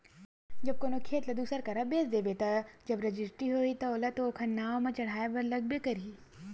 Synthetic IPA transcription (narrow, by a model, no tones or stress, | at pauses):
d͡ʒɐb̚koːnokʰeːt̪lɐd̪uːsəɾkɐɾabeːsd̪eːbeːt̪ɐd͡ʒɐbɾɐd͡ʒɪsʈɾiɦoːit̪ɐoːlɐt̪ookʰɐnːaːomɐ̃t͡ʃɐɽ̤aːebɐɾlɐɡ̚bekɐɾiː